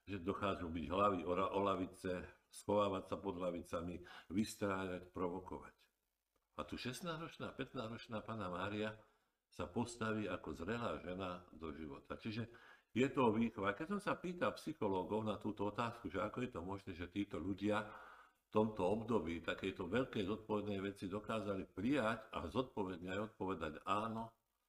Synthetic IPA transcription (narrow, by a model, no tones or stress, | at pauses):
ʒɛd̪ɔxaːʒubiɟɦlaʋiɔaʔɔlaʋit͡sɛ | sxɔʋaːʋatsapɔd̪laʋit͡samiʋist̪ɾaːɲacpɾɔʋɔkɔʋa̰c | at̪uʃɛst̪naːzɾɔt͡ʃnaːpɛt̪naːzɾɔt͡ʃnaːpaːnamaːɾia | sapɔst̪aʋiːakɔzɾɛlaːʒɛnad̪ɔʒiʋɔ̰t̪at͡ʃiʒɛjɛt̪ɔʋiːxʋakɛcsɔmsapiːt̪apsixɔlɔːɡɔʊnat̪uːt̪ɔɔt̪aːskuʒɛakɔjɛt̪ɔmɔʒnɛːʒɛt̪iːt̪ɔʎuɟɪa | ft̪ɔmt̪ɔɔbd̪ɔbiːt̪akɛjt̪ɔʋɛʎkɛjzɔt̪̚pɔʋɛd̪nɛjʋɛt͡sid̪ɔkaːzalipɾijaca̰zɔt̪̚pɔʋɛd̪ɲɛajɔt̪̚pɔʋɛd̪aɟaːnɔ